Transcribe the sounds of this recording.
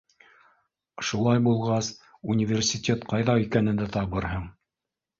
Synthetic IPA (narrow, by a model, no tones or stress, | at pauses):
ʃulˠɑjbulˠʁɑs | unʲɪvʲersʲɪtʲet̪qɑjðɑikænɘ̆nd̪æt̪ɑβɤɾɦɤɴ